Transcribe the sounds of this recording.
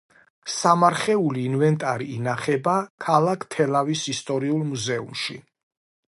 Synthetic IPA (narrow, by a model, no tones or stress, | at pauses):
samaɾχɛuliːnvɛnt̪ʼaɾiːnaχɛbakʰalˠakʰt̪ʰɛlavisist̪ʼɔɾiulˠmuzɛṵmʃḭ